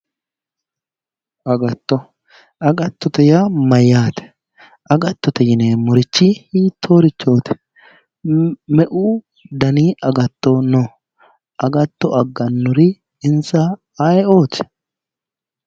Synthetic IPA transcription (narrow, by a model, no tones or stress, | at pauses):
ʔɐɡɐt̪ːɔ | ʔɐɡɐt̪ːɔt̪ɛjamɐjːaːt̪ɛ̥ | ʔɐɡɐt̪ːɔt̪ɛjɪneːmɔɾɪt͡ʃːɪhiːt̪ʰːoːɾɪt͡ʃːo̞ːt̪ɛ̥ | mɛʔuː | d̪ɐniːɐɡɐt̪ːɔnɔ | ʔɐɡɐt̪ːɔʔɐɡːɐnːʊɾɪ | ɪnsa | ajɛoːt̪ɛ̥